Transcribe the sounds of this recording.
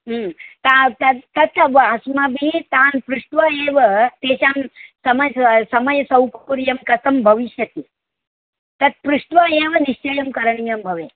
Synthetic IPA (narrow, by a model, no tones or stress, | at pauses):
t̪at̪ɐt̪ɐt̪ɐʋɐɦɐsmɐbʱit̪aːnpɾuʂʈʋaːeːʋɐt̪eːʃaːmsɐmɐjsɐmɐjɐsɐwkuɾjɐmkɐsɐmbʱɐʋiʃjɐt̪i | t̪ɐt̪̚pɾuʂʈʋaːeːʋɐniʃt͡ʃɐjɐmkɐɾɐɳijɐmbʱɐʋeː